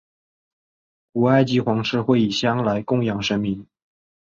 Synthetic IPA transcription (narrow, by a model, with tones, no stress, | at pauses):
ku˨˩a˥˧ɪt͡ɕi˧˥xwɑ˧˥ŋʂɻ̩˥˧xwe˥˩ɪi˨˩ɕjɑ˥ŋla˧˥ɪkʊ˥˩ŋjɑ˨˩ŋʂə˥nmi˧˥ŋ